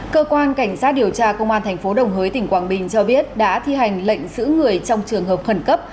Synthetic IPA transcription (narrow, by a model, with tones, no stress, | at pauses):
kəː˧kwaː˧nka˧˩jŋ̟saː˦˥t̚ɗi˨˩əwt͡ɕaː˧kə˧wŋ͡mʔaː˧nt̪ʰɛ˨˩ŋ̟fo˨˦ɗə˨˩wŋ͡mɦəː˨˦jt̪ï˧˩ŋ̟kwaː˧˩nɓï˨˩ŋ̟t͡ɕɔ˧ɓi˦˥ət̚ɗa̰ː˧˥t̪ʰi˧ɦa˨˩jŋ̟lə̰˧˨jŋ̟zɨ̰˧˥ŋɨ˨˩əjt͡ɕɔ˧wŋ͡mt͡ɕɨ˨˩əŋɦəː˨˩p̚xə˧˩nkə˦˥p̚